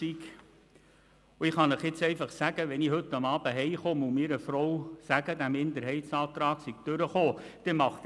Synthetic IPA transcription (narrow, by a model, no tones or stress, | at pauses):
ik | ʊɪχɑnəχjɪt͡sɛɪfɑχsæɡ̥əʋɛniɦɵt̪ːɑmɑːb̥əɦɛɪχoːmumiːɾəfɾɔwsæɡ̥əd̪æmɪnd̪əɾɦɛɪt̪sɑːt̪ɾɑːksɪɡ̥̚d̥øɾəχoːd̪̥ɛmɑχt̪